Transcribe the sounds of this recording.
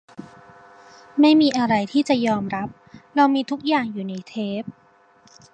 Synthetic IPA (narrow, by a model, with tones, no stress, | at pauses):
ma˥˩jmiː˧ʔa˧ɾa˧jt̪ʰiː˥˩t͡ɕa˨˩jɔː˧mɾa˦˥p̚ɾa˧wmiː˧t̪ʰu˦˥k̚jaː˨˩ŋjuː˨˩na˧jt̪ʰeː˦˥p̚